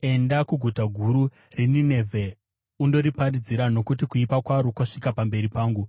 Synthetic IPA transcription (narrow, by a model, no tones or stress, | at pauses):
e̞ndakuɡʱutaɡʱuɾu | renine̞vʱe | undo̞ɾiparid͡ziɾano̞kutikuipakwaɾokaʂikapambe̞ɾipaːŋɡu